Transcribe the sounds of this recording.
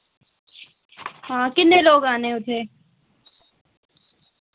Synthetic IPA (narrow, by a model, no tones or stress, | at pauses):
ɦãːkɪnːeloːɡaːneʊt̪ʰeː